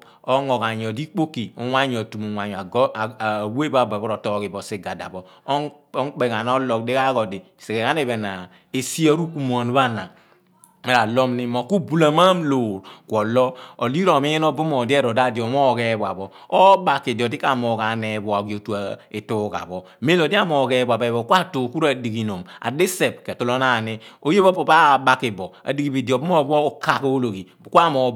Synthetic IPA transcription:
o˦ŋɔ˨ka˨ɲ˨o˨di˦k͡po˦kːi˨u˨˦ŋʷa˦ɲ˦˨o˨tu˨mu˨ŋʷa˨ɲ˨a˨ɡwe˦ba˦˨bɔ˨bɔ˦ɾo˨tɔː˦ki˨bɔ˨si˦ɡa˨da̰˨bɔ˦ | ŋk͡pe˨ka˨n˦ɔ˦lɔ˨de˦ka˦kɔ˨di˨se˨ke˨ka˦ne˦˨βe˨na˨ | e˨si˦a˦ɾu˦ku˦mo˨n˦ba˦na˨ | me˦ɾa˨lɔ˦mni˦mo˨ku˦bu˦la˨ma˦mloː˨ɾkʷɔ˨lɔ˦o˨li˦ɾo˨mi˦jɛ˦no˦bu˦mɔ˨di˦e˦ɾo˨da˦˨di˨ɔ˨m˦o˦˨ke˦ba̰˨bɔ˨ | o˦ba˨kːi˨dɔ˨di˦ka˨mo˨ka˨ne˨˦bɔ˨a˨ɡi˨o˨tu˨a˨e˨tu˦ka̰˨bɔ˨ | me˦lo˨di˦a˦mo˨ke˦ba˨be˨bo˨kʷa˦tu˨ku˦ɾa˨di˨ki˨no˨ma̰˨de˦se˨p̚ke˨tu˦lo˦na˨ni˦o˦je˦bo˦po˨ba˦˨ba˨ki˨bɔ˨a̰˨di˦ɡi˦bi˨di˨o˨bu˦m˦o˦bo˦o˨ka˦˨ko˦lo˨ɡi˨ka˦mo˨˦

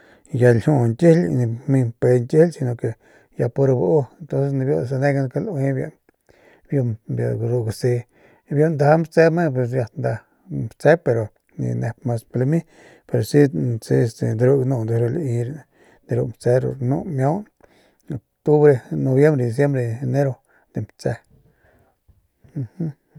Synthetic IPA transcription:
ja˧lhu˦nt̪ʲi˦lni˧mi˧pe˧nt̪ʲi˦lsi˧no˧˨ke˨ | ja˧po˧ɾa˧bʔu˦ent̪o˦nse˧sni˧bjo˧s̬e˧ne˦ɡa˧n˧ke˧lʔwe˦bjo̰˧ | bjo˧bja̰˧ɡɾu˧ʔɡa˧˨si˧ | bjo˧ʔnd̪a˧˦mbt͡se˦me˦p̬we˧s̬ja˧t̪nd̪a˧ | mt͡se˦pe˧ɾo˨ | nḭ˧ne˧pma˧sple˧mi˦ | pe˧ɾo˨si˦si˧e˧se˨d̪e˧ɾu˧ɡnu˧˨nd̪e˧ɾo˧li˧ɾ | d̪i˧ɾu˧mpt͡se˦ɾo̰˨ɾnṵ˦mjo˦n | o˨kt̪u˦bɾe˧no˧bje˦mbɾe˧d̪i˧s̬je˦mbɾe˧e˧ne˦ɾo˧ | d̪̥e˨mpt͡se˧ | h

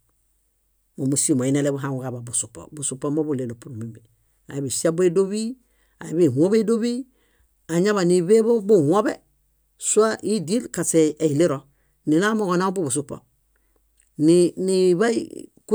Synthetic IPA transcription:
mo˨mu˨si˦˨mo˨i˦ne˨le˦bu˦ɦa˨ŋu˨ka˨ba˨bu˨su˨po̰˨bu˨su˨pːo˦mo˦bu˦leː˨no˨pu˨ɾu˨mi˦mbi˨ | a̰˨i˨bi˨si˦a˦be˦do˦βi˦ | a˨ji˦bi˨ho˦be˦do˦βi˦ | a˨ɲa˦βa˨ni˨βe˦bo˦bu˦ho˦be˦ | su˦a˦ʔi˦di˦lka˨se˨e˨li˦ɾo˨ | ni˨na˦mo˦ɡo˨na˦bu˦bu˨su˦po̰˨ | niniβa̰˦k

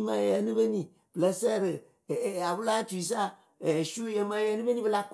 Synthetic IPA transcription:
mã˨jɛ˨˦nu˦be˦nĩ˨ | bɨ˨lə˦sɛ˦˨ɾɨ˨ | a˨bɨ˦la˦tu˨i˨s̬a˦˨ | ɛ˨ʃu˦jɛ˨mã˨˦jɛ˨˦nu˦be˦nĩ˦bɨ˦la˦k

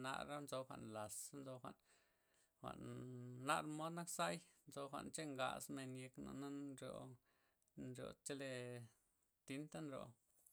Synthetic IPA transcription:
na̰˧ɾa˦nzo˧xʷa̰˨ʔnla˨snzo˧xʷa̰˨ʔn | xʷa̰˨ʔnːa̰˦ɾmo˦d̪na˦ksa˦jnt͡so˧xʷa̰˨ʔnt͡ʃe˦ŋɡa̰˧sme˧nje˧kno̰˧˨na˦nɾjo̰˧˨ | nɾjo̰˨˧t͡ʃe˦le˧ | t̪i˦nt̪a˦nɾo̰˨

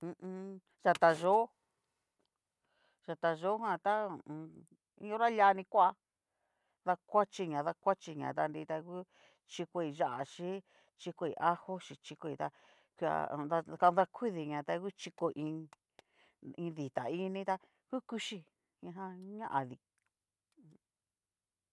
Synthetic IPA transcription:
ũ˧ | ʒa˧t̪a˧ʒo˦ | ʒ̥a˨t̪a˧ʒo˦ɦã˧t̪ã˦˧˨ | ĩ˧õ˦ɾa˦la˧˦nĩ˧kʷa˧ | ða˧kʷa˦t͡ʃi˧ɲã˨ða˧kʷa˦t͡ʃi˧ɲã̰˨t̪a˧nɾi˧t̪a˧ku˦ | t͡ʃi˧ko˧i˧ʒa˦ʔa˨ʃi˦ | t͡ʃi˧ko˧i˧ʔa˦ho˦ʃi˧t͡ʃi˧ko˧i˧t̪a˧ | kʷa̰˧˨˧a˧ka˧ða˧kʰʷi˦ði˨ɲã˨t̪a˧ku˦t͡ʃi˧ko˧ʔĩ˧ | ĩ˧ði˨t̪a̰˨ĩ˦˧nĩ˧˦t̪a˧ | ku˦ku˦ʃi˧ | ĩ˧ɦã˧ɲã˦ʔa˨ði˧

